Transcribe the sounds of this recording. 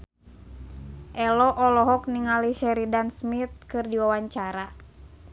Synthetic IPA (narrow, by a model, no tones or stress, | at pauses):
ʔɛlɔʔɔlɔɦɔk̚niŋaliʃɛɾidansmit̪̚kɨrdiwawaɲt͡ʃaɾa